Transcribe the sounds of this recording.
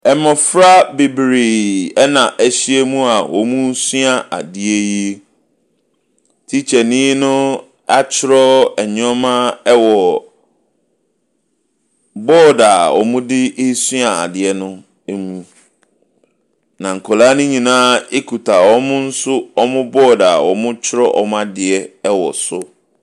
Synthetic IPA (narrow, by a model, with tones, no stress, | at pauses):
ɛ˨mɔ̃˨fɾa˦be˨bɾi˨ɛ˦nã˨ʔɛ˨ɕi˦e˦mũ˦a˨wɔ̰˨mũ˦sɥa˨ʔa̰˨dɪ˨e˦ji˦e˦ | tʰi˦t͡ɕʰɛ˨nĩ˦nʊ̃˦ | a˦t͡ɕʰɪ˦ɾɔ˦ɛ˨ɲ˦ɔ̃˦mã˦ɛ˦wɔ˨ | bɔː˦˨da˨wɔ̰˨mʊ̃˦dɪ˦ɪ˦sʊ˦a˨a̰˨dɪ˨ɛ˦nʊ̃˦ | e˦mũ˦ | nã˨ŋ̩˨kʰɔ˨laː˦nʊ̃˦ɲĩ˨nãː˦e˦kʰu˨tʰa˨wɔ˦mʊ̃˦n̩˦sʊ˦ɔ˦mʊ̃˦bɔː˦˨da˨wɔ̰˨mʊ̃˦t͡ɕʰɪ˦ɾɔ˦ʔɔ̰˦m˦a˦dɪ˨ɛ˦ɛ˦wɔ̰˨sʊ˦